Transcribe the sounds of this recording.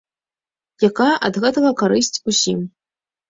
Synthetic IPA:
jakaʔɐ̰d̪ɣɛt̪ɐɣɐkaɾɨsʲt͡sʲusʲim

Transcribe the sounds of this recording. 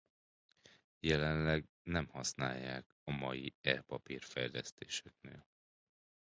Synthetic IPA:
jɛlɛnlɛɡ | nɛmhɒsnaːjːaːk | ɒmɒjiɛlpɒpiːrfɛjlɛst̪eːʃɛk̚nḛːl

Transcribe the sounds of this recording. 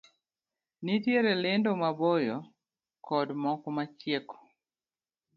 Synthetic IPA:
nitjeɾelendomabɔjɔ | kɔdmɔkɔmat͡ʃjekɔ̥

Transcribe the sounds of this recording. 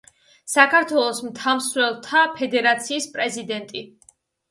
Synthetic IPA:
sakʰaɾt̪ʰwɛlˠɔsmt̪ʰamsɾɛlˠt̪ʰapʰɛd̪ɛɾat̪sʰiːspʼɾɛzid̪ɛnt̪ʼi

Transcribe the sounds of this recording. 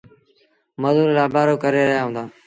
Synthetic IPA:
məzuːɾlaːbʱaːɾoːkəɾeːɾəjaːɦʊ̃nd̪aː

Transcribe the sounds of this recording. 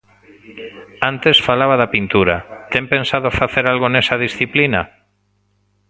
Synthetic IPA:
ant̪esfalaβaðapint̪uɾat̪empẽnsaðofaθeɾalɣonesað̞isθiplina̰

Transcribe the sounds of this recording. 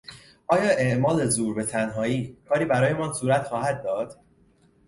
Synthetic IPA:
ʔɒːjɒːʔe̞ʔmɒːle̞zuːɾbe̞t̪ʰænɦɒːiːkʰɒːɾiːbæɾɒːje̞mɒːnsuːɾæt̪xɒːhæd̪̚ːɒːd̪̥

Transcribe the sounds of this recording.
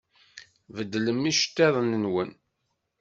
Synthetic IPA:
vəd̪ːləmːiʃt̪ːeðˤənːənwən

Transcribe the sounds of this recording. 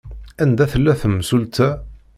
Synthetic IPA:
ænd̪æθəlːæθəmsult̪ʰæ

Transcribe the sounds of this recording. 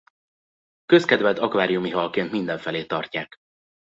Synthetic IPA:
kø̞skɛd̪vɛd̪ɒkʋaːɾijumiɦɒlkeːnt̪mind̪ɛɱfɛleːt̪ɒrcaːk

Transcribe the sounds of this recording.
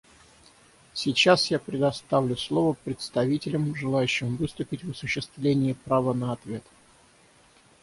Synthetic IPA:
sʲɪt͡ɕasjapɾʲɪd̪ɐst̪avlʲʊslˠo̞vəpɾʲɪt̪st̪ɐvʲitʲɪlʲəmʐɨlˠajʉɕːɪmvɨst̪ʊpʲɪtʲvɐsʊɕːɪst̪vlʲenʲɪjəpɾavənəɐt̪vʲe̞t̪

